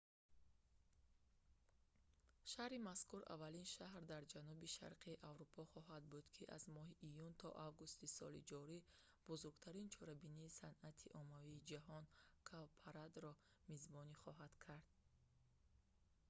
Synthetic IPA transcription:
ʃahɾimaskʰuɾa̰valinʃaɦɾd̪aɾd͡ʒanubiʃa̰ɾqʰiiʔavɾupʰɔχɔɦad̪bud̪kʰiʔa̰zmɔɦiʔːjunt̪ʰɔ̰ʔavɡust̪isɔ̰lḭd͡ʒɔɾi | b̥uzuɾɡt̪ʰaɾint͡ʃʰɔɾabiniːsanat̪ʰiʔɔmaviːd͡ʒaɦɔnkʰalpʰaɾad̪ɾɔ | mizbɔniχɔɦad̪̥kʰaɾd̪̥̚

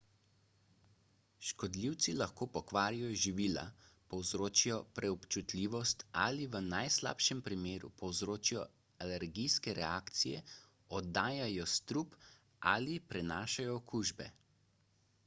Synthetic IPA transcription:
ʃkɔd̪liwt̪silaxkoːpɔkʋaːɾijɔʒiʋiːla̰pɔwzɾoːt͡ʃijɔpɾɛɔpt͡ʃut̪lʲiːʋɔst̪a̰liʋənajsla̰ːpʃɛmpɾimeːɾṵpɔwzɾoːt͡ʃijɔ | alɛɾɡijskɛɾɛaːkt̪sijɛ | ɔd̪aːjajɔst̪ɾuːp | a̰lipɾɛnaːʃajɔːkuːʒbɛ̰

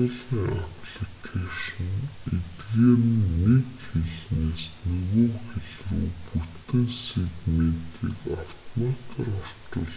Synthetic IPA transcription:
ɮʁiːŋapɮikʰaʃɞ̆net̪ɣeːr̆ɘ̆nːekxeɮneːsnɵɣɵːxeɮṵːput̪ɘ̆nset̪men̥t̪ʰḭːkaw̥t̪ʰɔmat̪ʰərɔr̥t͡ɕʊ̆ɮ

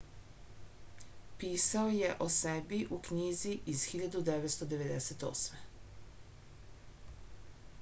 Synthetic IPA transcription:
piːsao̞je̞ʔo̞sebiʔukɲiːziʔizxiʎad̪ud̪eʋet̪st̪o̞d̪e̞ʋe̞d̪eset̪o̞̰sme

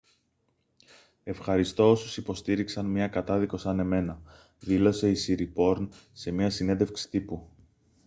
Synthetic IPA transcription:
e̞fxɐɾist̪o̞osusipo̞st̪iɾiksɐnmɲɐkɐt̪ɐðiko̞sɐne̞me̞nɐ | ðilo̞se̞isiɾipo̞ɾnse̞miɐsine̞nd̪efksi̥t̪ipu

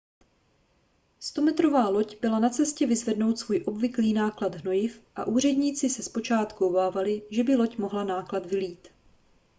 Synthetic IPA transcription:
st̪o̞mɛt̪ɾo̞vaːlo̞cbɪlanat͡sɛscɛvɪzvɛdno̞wt̪svuːjʔo̞bvɪkliːnaːklad̪ɦno̞jɪfʔa̰ʔuːr̝ɛdɲiːt͡sɪsɛspo̞t͡ʃaːt̪kuobaːvalɪʒɛbɪlo̞cmo̞ɦlanaːklat̪vɪliːt̪

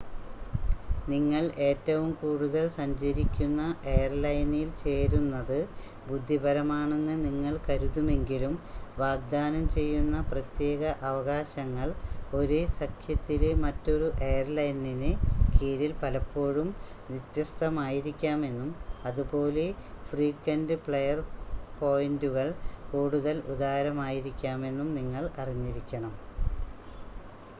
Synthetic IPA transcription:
niŋːɐɭe̞ːtːɐʋumkuːɽuðɐlsɐɲd͡ʑɐɾikʲːunːɐejɐrlɐjnilt͡ɕe̞ːɾunːɐðɨ | bud̪ʱːibʱɐɾɐmaːɳe̞nːɨniŋːɐɭkɐɾuðume̞ŋɡilumʋaːɡ̚d̪aːnɐmt͡ɕe̞jːunːɐprɐt̪je̞ːɣɐʔɐʋɐɣaːɕɐŋːɐɭo̞ɾesɐkʰjɐt̪ːilemɐtːo̞ɾuʔe̞jɐrlɐjninɨkiːɾilpɐlɐpːo̞ːɻum | ʋjit̪jɐst̪ʰɐmaːjiɾikʲːaːme̞nːumɐðubo̞ːle̞friːkːɐndɨpɭejɐrpo̞ːjinduɣɐɭkuːɽuðɐlud̪aːɐɾɐmaːjiɾikʲːaːme̞nːumniŋːɐɭɐriɲːiɾikʲːɐɳɐm

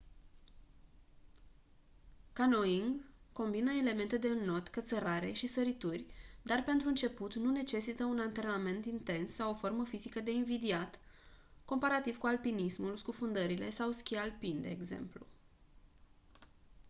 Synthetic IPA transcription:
kano̞iŋɡko̞mbinəe̞le̞me̞nt̪e̞d̪e̞ɨnːo̞t̪kət̪səɾaɾe̞ʃisəɾit̪urʲd̪arpe̞nt̪ɾuɨnt͡ʃe̞put̪nune̞t͡ʃe̞sit̪əunant̪e̞rname̞nt̪int̪e̞nsːawofo̞rməfizikəd̪e̞invid̪iat̪ | ko̞mpaɾat̪iv̥kualpinismulskufund̪əɾile̞̰sawskʲialpind̪e̞ːɡze̞̰mplṵ

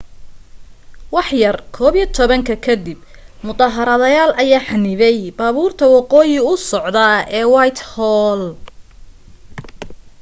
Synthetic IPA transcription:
wɑħjɐrkʰɔːβit̪ʰɔβɐŋkʰɐkʰɐd̪ɪb | mʊt̪ɑɦɐɾɐðɐjaːlʔɐjaːħɑnɪβɛjbaːβuːrt̪ʰɐwɑqɔːjɪʊsɔʕd̪ɐɛːwɑjt̪hɔːl

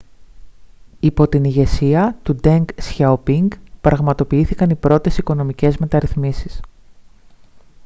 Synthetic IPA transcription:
ipo̞t̪iniʝe̞siɐt̪ud̪eŋɡsçaupiŋɡpɾɐɣmɐt̪o̞piiθikɐnipɾo̞t̪e̞siko̞no̞mice̞zme̞t̪ɐɾiθmisis

